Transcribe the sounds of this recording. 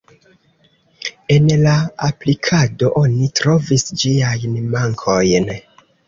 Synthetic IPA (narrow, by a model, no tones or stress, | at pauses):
e̞nlaaplikʰado̞ʔo̞nitɾo̞visd͡ʒiajnmaŋkʰo̞jn